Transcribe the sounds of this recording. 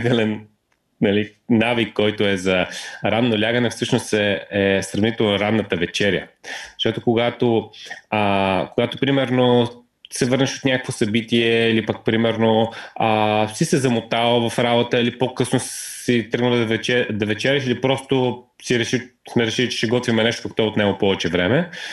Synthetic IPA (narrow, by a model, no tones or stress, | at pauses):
t̪ɛlɛn | nɐlinavikːɔjt̪oɛzɐɾad̪nːolʲaɡənɛfsɤʃnost̪ɛɛsɾɐvnit̪ɛlˠnɾad̪nːət̪əvɛt͡ʃɛɾjə̰zə̥ʃt̪ɔt̪okoɡat̪oəkoɡat̪opɾimɛɾno | sɛvɤɾnɛʃot̪nʲakə̥kvosɐbit̪iɛilipɐk̚pɾimɛɾnoəsisɛzɐmot̪alˠvɐfɾabot̪əilipokɤsnossit̪ɤɡnəlˠɛɛd̪ɐvɛt͡ʃɛɾɛʃilipɾɔst̪o | siɾɛʃi | smɛɾɛʃilit͡ʃɛ̥ʃɛɡɔt̪vimɛnɛʃt̪okəkt̪oot̪nɛɡopɔvɛt͡ʃɛvɾɛmɛ